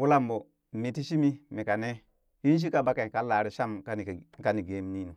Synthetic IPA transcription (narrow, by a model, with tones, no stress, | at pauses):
wu˦la˦mbo˨ | mi˨ti˦ʃi˦mi˦mi˨ka˨ne˦ | hi˦n˦ʃ̬i˦ka˦˨ba˦ka˨ka˨˦la˨ɾi˦ʃa˦mka˦˨ka˨ni˨ɡe˨˦m˦ni˦nu˨